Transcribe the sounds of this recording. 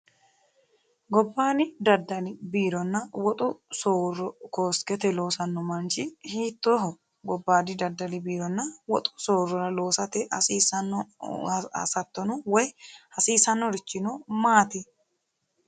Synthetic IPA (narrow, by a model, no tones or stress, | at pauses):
ɡɔbːaːnɪd̪ɐd̪ːɐlɪbiːɾɔnːɐwɔt̪ʼʊsoːrːɔkoːsɡɛt̪ɛlo̞ːsɐnːɔmɐnt͡ʃɪhiːt̪ːoːɦɔ | ɡɔbːaːd̪ɪd̪ɐd̪ɐlɪbiːɾɔnːɐwɔt̪ʼʊ̥soːrːɔɾɐlo̞ːsɐt̪ɛɐsiːsɐnːɔ | ɐ̰sɐt̪ːɔnʊwɔjhɐsiːsɐnːɔɾɪt͡ʃːɪnɔmaːt̪ɪ